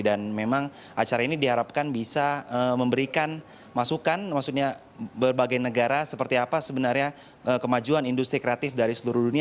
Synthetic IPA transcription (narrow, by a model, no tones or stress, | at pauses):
danmemaŋ | ʔat͡ʃaɾainidiɦaɾap̚kanbisaəməmbəɾikan | masukanmaksuk̚ɲa | bərbaɡajnəɡaɾasəpərt̪iapasəbənarɲa | ʔəkəmad͡ʒuanindust̪ɾikɾeat̪ɪfdaɾisəluɾudunia